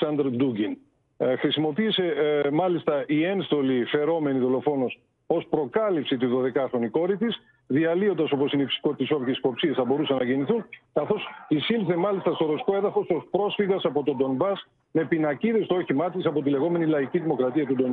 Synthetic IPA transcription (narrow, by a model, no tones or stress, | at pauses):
sɐnd̪ɾd̪uɡin | xɾisimo̞piːse̞mɐlist̪ɐʔie̞nst̪o̞life̞ɾo̞me̞niðo̞lo̞fo̞nos | o̞spɾo̞kɐlipsit̪iðo̞ðe̞kɐxɾo̞niko̞ɾit̪is | ðiɐlio̞nd̪ɐso̞po̞sineipsi̥kot̪iso̞vçesi̥po̞psiɐsθɐbo̞ɾusɐnɐʝeniθunkɐθo̞sisilθemɐlist̪ɐst̪o̞ɾosi̥ko̞eðɐfo̞sospɾo̞sfiɣɐsɐpo̞t̪o̞d̪o̞nbɐs | me̞pinɐciðest̪ooçimɐt̪it̪sɐpo̞t̪̬ile̞ɣo̞me̞nilɐiciðimo̞kɾɐt̪iɐt̪ud̪on